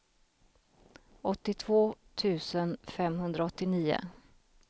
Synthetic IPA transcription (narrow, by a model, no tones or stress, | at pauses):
ɔt̪ːɪt̪ʰv̥oːt̪ʰʉ̟ːsənfɛmɦɵnd̪ɾaɔt̪ːɪniːʊ̰